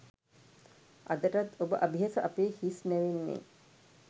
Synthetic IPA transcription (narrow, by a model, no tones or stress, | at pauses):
ʔa̰d̪əʈat̪obəʔabʱiɦasəʔapeːhisnæʋenːḛ